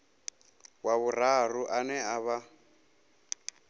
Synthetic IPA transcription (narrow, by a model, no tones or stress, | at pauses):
waβur̤aruʔanɛaβa